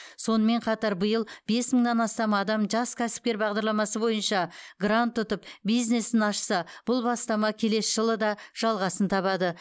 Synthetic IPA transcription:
so̞nəme̞ɴqʰɑt̪ɑɾbəjəlˠbe̞sməɴnɑnɑst̪ɑmɑd̪ɑmʒɑskʲʰæsɪ̥p̚kʲe̞ɾbɑʁd̪ɑɾlˠɑmɑsəbo̞jənʃɑɡrant̪ːʊt̪əpbijzne̞sɪnɑʃsɑb̥ʊlˠbɑst̪ɑmɑkʲʰe̞le̞sʒəlˠəd̪ɑʒ̥ɑlˠʁɑsənt̪ʰɑβɑd̪ə

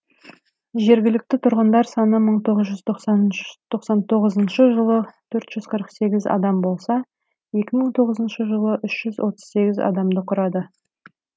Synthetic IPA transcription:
ʒe̞ɾɡʲɪlɪk̚t̪ɪt̪ʰʊɾʁənd̪ɑɾsɑnəməɴt̪ʰoʁəzʒʏzt̪ʰoqst̪ʰo̞qsɑnt̪ʰo̞ʁəzənʃəʒəlˠət̪ʰɵɾt̪ʒ̥ʏzqʰəɾəqse̞ɡʲɪzɑ̰d̪ɑmbo̞lˠsɑ | je̞kʲɪməɴt̪ʰo̞ʁəzənʃəʒəlˠəʔʏʃʒ̥ʏzwʔo̞t̪ə̥z̥se̞ɡʲɪzɑ̰d̪ɑmd̪əqʰʊɾɑd̪ə

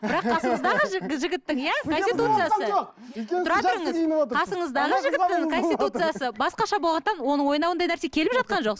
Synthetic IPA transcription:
bɪɾɑqqʰːɑsəɴəzd̪ɑʁəʒɪɡʲɪt̪ːɪŋjækonsit̪ut̪sɨjasə | t̪ʰʊɾɑt̪ʊɾəɴəzqʰɑsəɴəzd̪ɑʁəʒɪɡʲɪt̪ːɪŋkʰo̞nst̪ʲit̪ut̪sɨjasəbɑsqɑʃɑbo̞lˠʁɑnt̪ɑnwo̞nəɴwojənɑwənd̪ɑjnæɾse̞kʲʰe̞lɪpʒɑt̪̚qɑnʒo̞q

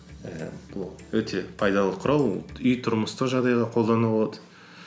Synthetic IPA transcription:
əb̥ʊlˠwɵt̪ʰe̞pʰɑjd̪ɑlˠəqʰʊɾɑl̰ˠʏjt̪ʰʊɾməst̪əʒɑʁd̪ɑjʁɑqʰo̞lˠd̪ɑnəlboɑd̪ə̥

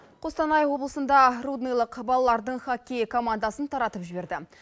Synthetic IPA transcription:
qʰost̪ɑnɑjwo̞blˠəsənd̪ɑrud̪nijlˠəqbɑlˠɑlˠɑɾd̪əɴχakʲːejkʰo̞mand̪ɑsənt̪ʰɑɾɑt̪əpʒɪbe̞ɾd̪ɪ

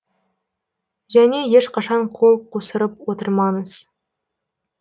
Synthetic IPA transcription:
ʒæne̞je̞ʃqɑʃɑɴqʰo̞lˠqʰusəɾəpwot̪əɾmɑɴəz̥

